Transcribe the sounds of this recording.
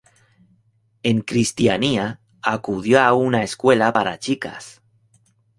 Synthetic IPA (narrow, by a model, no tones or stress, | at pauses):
e̞ŋkɾist̪jania | akuðjoaunaeskwelapaɾa̰t͡ʃika̰s